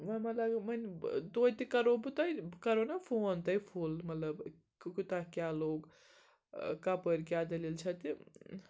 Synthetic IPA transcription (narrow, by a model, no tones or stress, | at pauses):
mɐmɐlɐɡmɐnd̪ojt̪ikɐɾobut̪ɐjkɐɾonapʰoːnt̪ɐjpʰulmɐt̪lɐb | kut̪akjaloːɡ | kapəɾkjad̪ɐlilt͡ʃʰɐt̪i